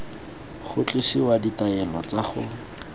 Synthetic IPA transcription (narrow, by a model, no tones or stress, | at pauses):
χʊt͡ɬʼɪsiwaditaɛlɔt͡saχʊ